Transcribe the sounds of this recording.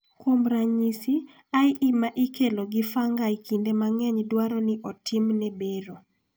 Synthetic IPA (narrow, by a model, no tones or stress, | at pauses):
kwomɾaɲisi | aɪʔimaʔikʰeloɡɪfaŋɡajkʰindemaŋɛɲdwaɾɔnɪʔɔtʰɪmnɛbeɾo